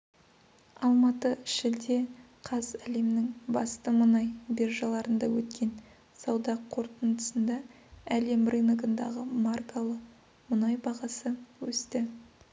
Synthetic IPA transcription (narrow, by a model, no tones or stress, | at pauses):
ɑlˠmɑt̪əʃɪld̪e̞ | qʰɑzæle̞mnɪŋbɑst̪əmənɑjbe̞rʒɑlˠɑɾənd̪ɑwɵt̪kʲe̞n | sɑwd̪ɑqʰo̞ɾt̪ənd̪əsənd̪ɑ | æle̞mrʔɨnəɡənd̪ɑ̰ʁəmarkalˠəq | mʊnɑjbɑʁɑsəwɵst̪ɪ